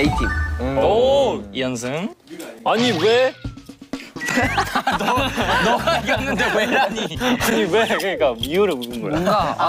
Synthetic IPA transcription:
itʰioiʌnsʰɯŋaɲiwe̞ | nʌaiɡʌnːɯndeweaɲiaɲiwe̞kɯɲik͈amiuɾɯbudɯnɡoɭ

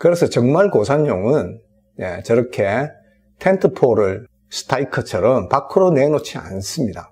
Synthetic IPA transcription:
kɯɾesʰʌt͡ɕʌŋmaɭkosʰaɲjoŋɯn | jḛt͡ɕʌɾʌkʰe̞ | tʰentʰɯpʰoɾɯɭ | sɯ̥tʰaikʰɯt͡ɕʰʌɾʌmpakʰɯɾone̞not͡ɕʰia̰nsɯmɲida

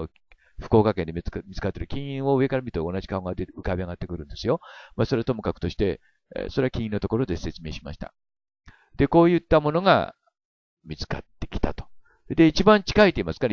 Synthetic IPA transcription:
ɸɯ̟̥ko̞ːkake̞nd̪mʲit͡sɨ̥kat̪ːeɾɯ̟kʲĩɰ̃ĩɰ̃o̞ɯ̟e̞kaɾamʲit̪oonaʑi̥kaoŋɡad̪eɯkabʲiaɡat̪ːe̞kɯ̟ɾɯ̟̃nd̪e̞sɨjo̞maso̞ɾe̞t̪o̞mɯ̟kakɯ̟̥t̪o̞ɕi̥t̪e̞̰ | soɾe̞akʲĩĩnːo̞t̪o̞ko̞ɾo̞d̪e̞se̞t͡sɨme̞ːɕima̰ɕi̥t̪a̰ | d̪̥e̞ko̞ːjɯ̟t̪ːamo̞no̞ɡa̰ | mʲit͡sɨ̥ka̰t̪ːe̞̥kʲi̥t̪a̰t̪o̥ | d̪e̞it͡ɕibãɲt͡ɕi̥kait̪ːeimasɨ̥kaɾa

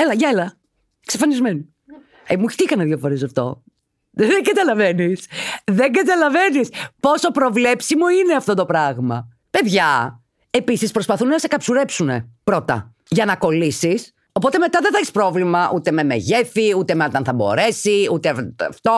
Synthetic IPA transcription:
elɐʝɐelɐ | ksefɐnizmenu | emuç̥t̪ikɐnɐðʝɐfoɾesɐft̪o̞̰ | ðeɡɐt̪ɐlɐve̞nisðe̞ɡɐt̪ɐlɐve̞nispo̞so̞pɾo̞vle̞psimo̞ineɐft̪o̞t̪o̞pɾɐɣmɐ | pe̞ðʝɐ | e̞pisispɾo̞spɐθunnɐsekɐpsuɾepsune̞̰pɾo̞t̪ɐ̰ | ʝɐnɐko̞lisis | o̞p̬o̞t̪e̞me̞t̪ɐðeθɐçispɾo̞vlimɐʔut̪e̞me̞mḛʝefiut̪e̞meot̪ɐnθɐbo̞̰ɾe̞siut̪eft̪o

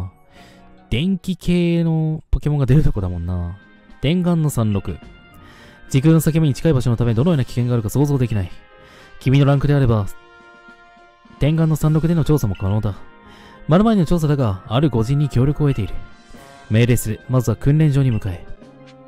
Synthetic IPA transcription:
d̪̥ẽ̞ŋkʲikʰe̞ːno̞po̞ke̞mõ̞ŋɡad̪e̞ɾɯ̟t̪o̞ko̞d̪amõ̞nːa | t̪ẽ̞ŋɡãnːo̞sãnɾo̞kɯ̟ | d͡ʑikɯ̟̃nːosakemo̞ɲ̟it͡ɕi̥kaibaɕo̞not̪ame̞d̪oojoːnakʲi̥kẽ̞ŋɡaːɾɯkasoːzo̞ːd̪e̞kʲinai | kʲimʲino̞ɾãŋkɯ̟d̪e̞aɾe̞ba | t̪ẽ̞ŋɡãnːo̞sãnɾo̞kɯ̟d̪e̞no̞t͡ɕo̞ːsamo̞kano̞ːd̪a | maɾɯ̟maeinot͡ɕo̞ːs̬ad̪aɡaːɾɯ̟ɡo̞ʑĩɲ̟ːikʲo̞ːɾʲjo̞kɯ̟oe̞t̪e̞iɾɯ̟ | me̞ːɾe̞sɨɾɯmazɨβakɯ̟̃nɾẽ̞ɲ̟d͡ʑo̞ːɲ̟imɯ̟kae

